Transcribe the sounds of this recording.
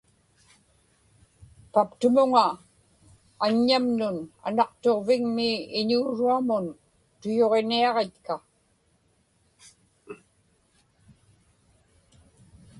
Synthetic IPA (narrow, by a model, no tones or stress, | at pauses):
papt̪ʊmʊŋa | ɲːamnʊna̰nɑqt̪o̞ʁvɪŋmiɪɲuːɻuamʊn | t̪ʊjoʁe̞niɑʁe̞t̪ka